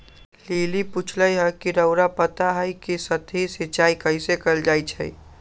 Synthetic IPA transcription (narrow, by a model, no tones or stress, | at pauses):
liːliput͡ʃʰləjɦəkiɾəʊɾapət̪aɦəjkisət̪ʰisɪt͡ʃaːikəɪsekəɾld͡ʒaːit͡ʃʰɛ̰i